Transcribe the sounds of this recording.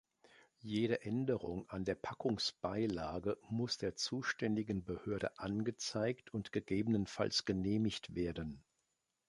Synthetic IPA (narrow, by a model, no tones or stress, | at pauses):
jeːɾəʔɛndəʁʊŋandeːɐpʰakʰʊŋsb̥aɪlaːɡəmʊsd̥eːɐt͡suːʃtɛndɪɡən̩bəhøːɐɾə̰ʔanɡət͡saɪktʰʊntɡ̥əɡeːbənənfa̰lsɡ̥əneːmɪçtv̥eːɐdən